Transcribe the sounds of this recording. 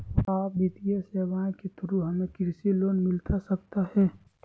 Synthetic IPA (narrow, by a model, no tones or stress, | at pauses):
aːpbit̪ijaseːʋaːẽket̪əɾuɦɐmẽkɾsiloːnmɪlt̪asɐkt̪ahɛː